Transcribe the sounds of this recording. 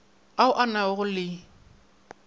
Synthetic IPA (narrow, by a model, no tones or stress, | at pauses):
aʊʔanaʊɣʊlɪ